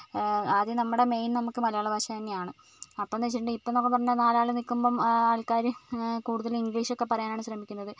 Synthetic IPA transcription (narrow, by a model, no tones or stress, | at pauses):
ɐðinɐmːuɽeme̞jnnɐmukːɨmɐlɐjoːɭɐbʱɐɕjɐt̪ɐnːejaːɳɨ | ɐpːoːnet͡ɕːiʈuɳɖɨipːonokːepɐrɐnːɐnaːlaːɭɨnikːumbɐmaːlkaːɾukuːɽuðɐliŋɡliːʂo̞kːe̞pːɐrɐjaːnaːɳɨɕrɐmikʲːunːɐðɨ